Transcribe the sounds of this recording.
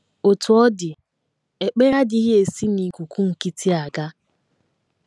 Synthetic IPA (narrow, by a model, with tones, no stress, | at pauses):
o˨tʊ˨ɔ˦dɪ˨ | e˨k͡pe˦ɾa˦di˦ɦi˦e˨si˦ni˨kʷu˨kʷu˦ŋ̩˨ki˦tʰi˦a˨ɡa˦